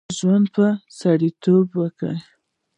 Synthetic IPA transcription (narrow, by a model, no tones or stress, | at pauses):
ʒwand̪̚pəsaɽit̪obwəkə̰